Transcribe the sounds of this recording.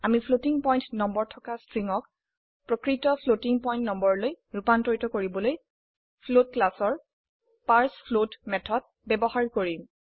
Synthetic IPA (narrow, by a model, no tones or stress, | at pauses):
amipʰlotiŋpɔjntnɔmbɔɹtʰɔkastɹiŋɔk | pɹɔkɹitɔpʰlotiŋpɔjntnɔmbɔɹɔloj | ɹupantɔɹtɔkoɹibɔloj | pʰlot̚klasɔɹ | paɹspʰlotmɛtʰɔd̚ | bɛbɔhaɹkoɹi